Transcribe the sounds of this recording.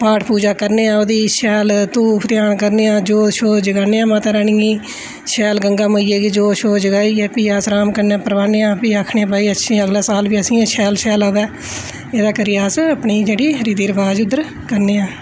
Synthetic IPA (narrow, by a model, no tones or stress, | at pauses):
paːʈʰpuːd͡ʒaːkəɾneːãːoːd̪iːʃɛːlt̪uːpʰt̪ɪjaːɳkəɾneːãːd͡ʒoːʃoːd͡ʒəɡaːneːãːmaːt̪aːɾaːɳiːĩː | ʃɛːlɡəŋɡaːməiːeːɡiːd͡ʒoːʃoːd͡ʒəɡaːiːɛːpiːaːsɾaːmkəɾneːãːpəɾʋaːneːãːpiːaːkʰɳẽːaːpaːiːətːʃʰĩːəɡlaːsaːlʋiːəsĩːãːʃʰɛːlʃɛːlaːʋɛː | eːd̪aːkəɾiːaːsəpɳiːd͡ʒeːɽiːɾiːd̪iːɾəbaːd͡ʒʊd̪əɾ | kəɾneːãː